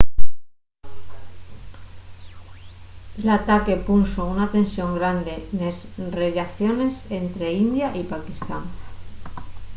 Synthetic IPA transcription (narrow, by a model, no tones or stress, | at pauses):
lat̪ake̞punsounat̪e̞nsjo̞ŋɡɾand̪e̞nesrelaθjo̞ne̞se̞nt̪ɾe̞ind̪jaʔipakist̪an